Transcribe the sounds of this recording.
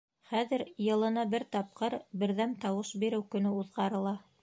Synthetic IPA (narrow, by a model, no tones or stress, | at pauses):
χæðɘɾjɤ̆lˠɤ̆nɑbɘɾt̪ɑp̚qɤɾbɘ̆ɾðæmt̪ɑwɤʃbiɾɘwkɵ̆nɵuðʁɑɾɤ̆lˠɑ